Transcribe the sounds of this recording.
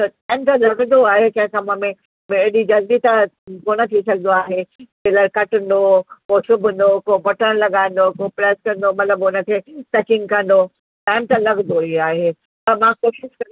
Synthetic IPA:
t̪ɐʈaːɪmt̪ãlɐɡnd̪oaːɦekɐ̃ɦɪ̃kamə̃mẽ | meɗid͡ʑɐld̪it̪akoːñət̪ʰisɐɡʱnd̪oaːɦemeləɾkɐʈə̃n̆d̪okosʊbʱən̆d̪okobɐʈəɽ̃lɐɠaːɪ̃n̆d̪okopɾɛːskɐ̃nd̪omɐt̪ləbʊnə̆kʰesɐkɪ̃ŋɡkɐ̃nd̪o | ʈaːɪmt̪ãlɐɡnd̪oiaːɦe | pɐɾmãːkoːʃɪʃkɐ

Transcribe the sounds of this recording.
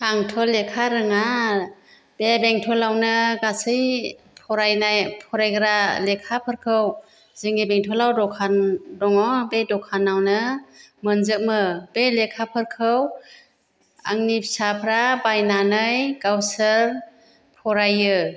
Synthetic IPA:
aŋtʰɔlekʰaɾɯŋa | b̥ebeŋtʰɔlawnɯɡasɯj | pʰɔɾajnajpʰɔɾajɡɯɾalekʰapʰɯɾkʰɯw | zɯŋibeŋtʰɔlawdɔkʰandɔŋɔbedɔkʰanawnɯmɯnzɯmɯb̥elekʰapʰɯɾkʰɯw | a̰ŋnipʰsapʰɾabajnanɯjɡawsəɾ | pʰɔɾajɯ

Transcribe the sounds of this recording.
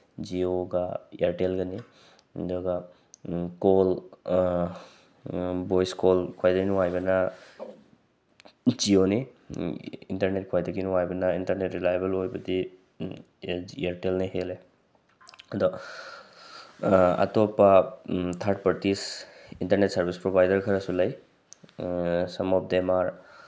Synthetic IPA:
d͡ʒioɡaeɾʈelɡɐni | dɔɡa | kol | bojskolkʰajdɐɡinuajbɐnɐ | d͡ʒioni | ḭntɐɾnet̚kʰojdɐɡinuwajbɐnɐintɐɾnetɾilajebɐlojbɐdi | eɾtelnaɦele | ɐdɔ | a̰topatʰaɾt̚pɐɾtisintɐɾnetsɐɾbispɾobajdɐɾkʰɐɾɐsulɐj | sɐmop̚demaɾ

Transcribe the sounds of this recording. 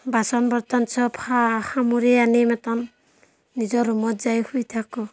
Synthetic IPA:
basɔnbɔɾt̪ansʰɔpʰahamuɾeanimat̪ɔnː | id͡ʒɔɾumɔt̪zajhujt̪ʰakɔ

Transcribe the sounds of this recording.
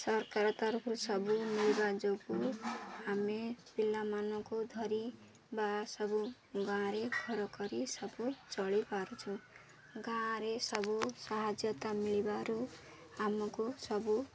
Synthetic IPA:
sʌrkaɾt̪aɾkʰuɾusʌbumilibad͡zoɡuɦamepilːamanʌkod̪ʱʌɾi | basʌbu | ɡãɾeɡʰʱʌɾʌkʌɾisʌbut͡sʌɭipaɾut͡sʰuw | ɡãɾesʌbusaɦad͡zjʌt̪amiɭibaɾu | amʌkosʌbu

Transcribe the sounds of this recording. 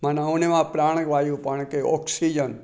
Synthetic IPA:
manãunemãpɾaːɳ̃kʋajũpəɳ̃keʔɔksid͡ʒən

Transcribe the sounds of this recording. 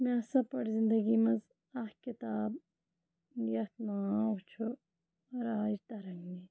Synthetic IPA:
mẽɐsɐpɐɽzɪ̃nd̪ɐɡimɐz | ɐhkɪt̪aːb | jɐt̪maːot͡ʃʰu | ɾaːd͡ʒt̪ɐɾɐŋːi

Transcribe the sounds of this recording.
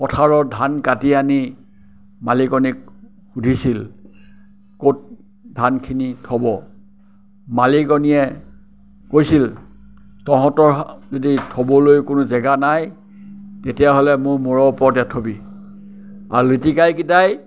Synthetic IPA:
pɔtʰaɹɔɹdʱankatiani | malikɔnik | xudʱisil | kot̚ | dʱankʰinitʰɔbɔ | malikɔniɛ | kojsil | tɔɦɔ̃tɔɹzoditʰɔbɔlojkʊnʊzɛɡanaj | tetijaɦolɛmʊɹmɔɹɔpɔtɛtʰobi | a̰ɹulitikajkitaj

